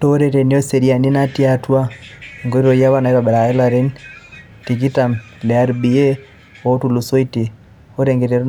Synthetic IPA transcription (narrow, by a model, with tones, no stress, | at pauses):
to˦ɾe˦ɾe˨ni˦o˦se˨ɾi˦a˨ni˦na˦ti˦atwa˦ŋɡo˦ɾiɾo˦ja˦βa˦na˨i˦βa˨bɛ˨ɾa˨e˦la˨ɾi˦n | ti˨ɡi˦ta˨m | lɛ˨a˦ɾbi˨e˦ | o˦tu˨lu˨so˦i˦ti˨ | o˦ɾeŋɡe˨ɾe˨ɾ